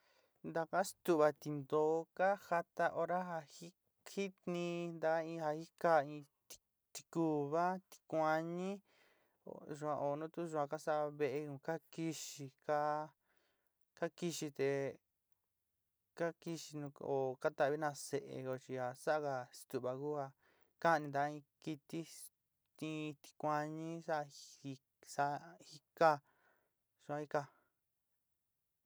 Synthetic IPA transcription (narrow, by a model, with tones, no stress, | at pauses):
nd̪a˧ka˦st̪u˦˨βa˧t̪i˧nd̪oː˨˦ka˦ha˧t̪a˦ʔo˧ɾa˦ɦa˧hi˦ | hi˦t̪nĩ˧nd̪a˧ka˦ĩ˧ha˧hi˦ka˧ĩ˧t̪i̥˧ | t̪i̥˧ku˧βa˦t̪i̥˧kʷa˧ɲĩ˦ | o̰˨ʒu˧ã˧ʔo˨nũ˦t̪u˦ʒu˧ã˧ka˦sa˦ʔβe˧ʔe˧kũ˧ka˦ki˧ʃi˧ka˦ | ka˦ki˧ʃi˧t̪e˧ | ka˦ki˧ʃi˧nũ˧o˨ka˦t̪a˧˨βi˦nã˧se˧ʔḛ˧ko˧t͡ʃi˧a˨˧sa˦a˦˧ka˧st̪u˨βa˨ku˦a˧ | ka˦˧nĩ˧d̪a˧˦˧ĩ˧ki˧t̪i˦ | t̪ĩ˦˧t̪i̥˧kʷa˧ɲĩ˦sa˦˧i˧ | sa˦˧hi˧ka˦ | ʒ̥u˧ã˧i˧ka˧